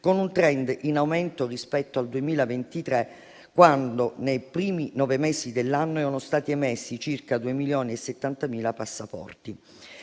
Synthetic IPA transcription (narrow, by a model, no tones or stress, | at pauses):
konunt̪ɾɛnd̪inawmɛnt̪orispɛt̪ːoald̪uemiːlavent̪it̪ɾe | kːwand̪onejpɾiːminɔːvemɛsid̪elːanːoɛɾonost̪aːt̪iemesːit͡ʃirkad̪uemiljɔːniesːet̪ːant̪amiːlapasːapɔ̰rt̪i